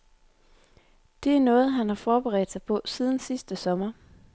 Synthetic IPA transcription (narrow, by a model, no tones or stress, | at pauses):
d̥e̝æɐnɔ̽ːð̞̩ˠɦænhɑ̈fɒːb̥eʁɛ̰ːd̥sɑ̈ɪpʰɒ̽siːð̞ˠn̩sisd̥əsɒ̽mɐ